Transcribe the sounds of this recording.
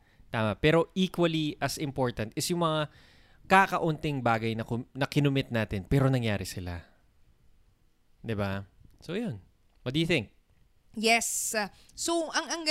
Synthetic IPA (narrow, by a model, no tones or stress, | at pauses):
t̪aːmɐpɛːɾo̞ʔikwɐliʔɐsɪmpo̞ɹt̪ɐnt̪ɛsjʊŋmɐŋa | kakɐʔʊnt̪ɪŋbaːɡɐjnɐkʊnɐkɪnʊmɪt̪̚naːt̪ɪnpɛːɾo̞nɐŋjaːɾɪsɪla̰ | d̪ɪbasojon | wɔt̪̚d̪ɐjʊθɪŋk̚ | jɛsː | oʔɐŋɐŋɡ